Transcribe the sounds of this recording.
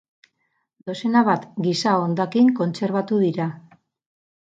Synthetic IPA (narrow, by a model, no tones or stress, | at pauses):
d̪o̞se̞naβat̪ɡisaond̪akiŋko̞nt͡se̞ɾβat̪uðiɾa